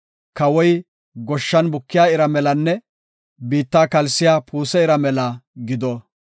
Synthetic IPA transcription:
kɐwɔj | ɡɔʃːɐnbʊkːɪjaːɪɾɐmɛlɐnːɛ | biːt̪ːaːkɐlsɪjaːpuːsɛɪɾɐmɛlɐɡɪd̪ɔ

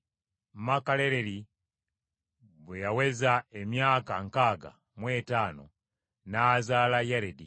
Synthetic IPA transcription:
makale̞ɾeɾi | βwejawe̞zaemjaːkaŋkaːɡa̰ | mwe̞ːtaːno̞̰ | naːzaːlajeɾedi

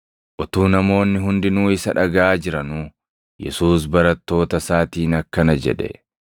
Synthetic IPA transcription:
ʔɔt̪uːnɐmo̞ːnːɪɦʊnd̪ɪnuːɪsɐᶑɐɡɐʔaːd͡ʒɪɾɐnuː | jɛ̰suːs̬bɐɾɐt̪ːo̞ːt̪ɐsaːt̪iːnɐkːɐnɐd͡ʒɛ̰ᶑɛ̰

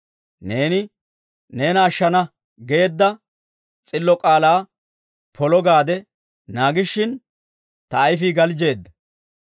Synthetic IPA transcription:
ne̞ːnɪ | ne̞ːnɐːʃːɐnɐ | ɡe̞ːd̪ːɐ | t͡sʼɪlːɔkʼaːlaː | pʰɔlɔɡaːd̪ɛ | naːɡɪʃːɪn | t̪ɐːjfiːɡɐld͡ʒe̞ːd̪ːɐ

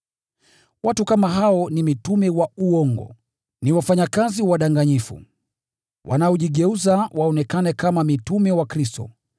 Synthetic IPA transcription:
watukamaɦaɔnimitumɛwauɔŋɡɔ̰ | niwafaɲakaziwaɗaŋɡaɲifṵ | wʔa̰naɔʄiɠɛuzawʔaɔnɛkanɛkamamitumɛwakɾistɔ̰

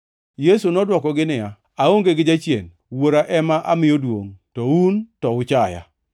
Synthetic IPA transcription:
jesunɔdwɔkɔɡɪnɪja | aoŋɡeɡɪd͡ʒat͡ʃjḛn | woɾaʔɛmaʔamɪjodwo̰ŋtɔuntɔʊt͡ʃaja̰

